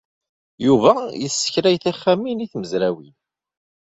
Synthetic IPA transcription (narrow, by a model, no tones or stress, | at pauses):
juvæjəsːə̥çɾæjθæχːaminiθməzɾæwin